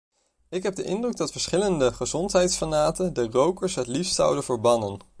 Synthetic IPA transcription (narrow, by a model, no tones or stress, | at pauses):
ɪkɦɛb̚dəʔɪndrɵɡ̚dɑtfəɹsχɪləndəχəzɔntɦɛjtsfanaːtəndərowkəɹsɦətlifstsʌ̰wdənvəɹbɑnən